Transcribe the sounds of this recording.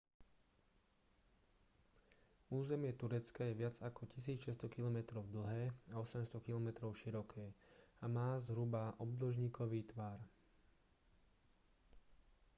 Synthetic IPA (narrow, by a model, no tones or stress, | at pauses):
uːzɛmɪɛt̪uɾɛt͡skajɛʋɪad͡zakɔcisiːt͡sʃɛst̪ɔkilɔmɛt̪ɾɔʊd̪l̩ɦɛːaɔsɛmst̪ɔkilɔmɛt̪ɾɔʊʃiɾɔkʰɛːamaːzɦɾubaʔɔb̚d̪l̩ʒɲiːkʰɔʋiːt̪ʋaːɾ